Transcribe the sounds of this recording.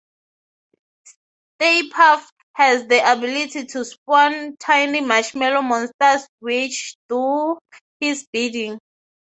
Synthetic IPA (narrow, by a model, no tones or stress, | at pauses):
s | tepʰaf | hɛzdiʔabilitʰitʰuspɔ̃ntʰãjnlimaʃmɛlomɔ̃nstaswit͡ʃʰduhisbidĩŋ